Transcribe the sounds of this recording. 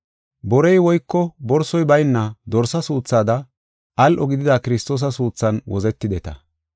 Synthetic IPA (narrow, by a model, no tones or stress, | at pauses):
bɔɾɛjwɔjkːɔbɔɾsɔjbɐjnːɐd̪ɔɾsɐsuːt͡sːaːd̪ɐ | ʔɐlʔɔɡɪd̪ɪd̪akɪɾɪst̪o̞ːs̬ɐsuːt͡sːɐnwɔzɛt̪ːɪd̪ɛt̪ɐ̰